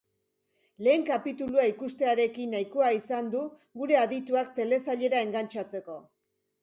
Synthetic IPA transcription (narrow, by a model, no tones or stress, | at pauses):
le̞ːŋkapit̪uluaikust̪e̞aɾe̞kinːajkoaisand̪u | ɡuɾe̞aðit̪uakt̪e̞le̞saʎe̞ɾae̞ŋɡant͡ʃat͡se̞ko̞